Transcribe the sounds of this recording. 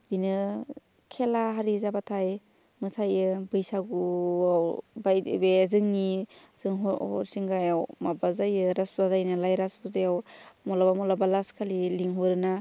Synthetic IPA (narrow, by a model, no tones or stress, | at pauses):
dinɯ | kʰelaɦaɾizabatʰaj | mɯtʰajɯbɯjsaɡuawbajbezɯŋni | z̥ɯŋɦɔɔ̰ɾsiŋɡajawmabazajɯɾaszazajnɯlajɾasbuzajawmɔlabamɔlabalaskʰaliliŋɦɔɾɯna